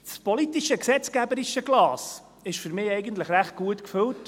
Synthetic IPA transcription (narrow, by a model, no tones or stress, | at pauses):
spɔlitiʃəksɛt͡skæbəɾiʃəɡlɑːs | ɪʃfʏɾmɪːɛɪɡəntləχɾæχt̚ɡ̥uətkfʏlt